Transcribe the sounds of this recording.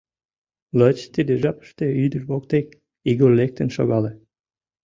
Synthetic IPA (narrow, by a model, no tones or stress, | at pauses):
lət͡ɕt̪ed̪eʒɑpə̥ʃt̪eyd̪ərβok̚t̪ek̚ | iɣorlek̚t̪ənʃo̰ɣɑle